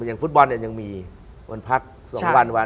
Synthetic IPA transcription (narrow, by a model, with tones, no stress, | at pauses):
jaː˨˩ŋfu˦˥t̪̚bɔ˧nːa˨˩ja˧ŋmiː˧ | ʔo̰˧npʰa˦˥˩k̚ | su˨˩˦ŋwa˧nwa˧